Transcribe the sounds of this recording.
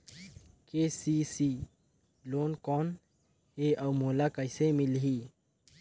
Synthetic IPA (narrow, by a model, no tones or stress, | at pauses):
keːsiːsiː | loːnkɔːn | ɦeʔɔːmoːlakəɪsemɪlɦiː